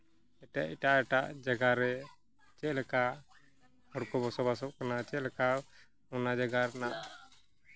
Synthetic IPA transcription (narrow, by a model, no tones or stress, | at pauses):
ɛʈaʔiʈaɛʈaʔd͡ʒaɡaɾɛ | t͡ʃɛʔlɛka | hɔɽkɔbɔsɔbas̬ɔb̚kanat͡ʃɛʔlɛka | ɔnad͡ʒaɡaɾɛnaʔ